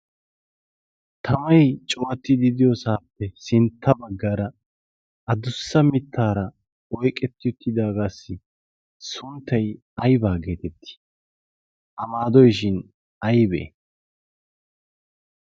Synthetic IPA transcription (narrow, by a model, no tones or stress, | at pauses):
t̪ʰɐmɐjt͡ʃʼoːɐt̪ːɪd̪ɪd̪ɪjɔsaːpːɛsɪnt̪ʰːɐbɐɡːɐɾɐ | ʔɐd̪ʊsːɐmɪt̪ʰːaːɾɐ | ɔjkʼɛt̪ːɪjʊt̪ʰːɪd̪aːɡaːsːɪ | sʊnt̪ːɐj | ɐjbaːɡe̞ːt̪ɛt̪ːɪ̥ | ʔɐmaːd̪ɔjʃɪn | ɐjbɛʔḛ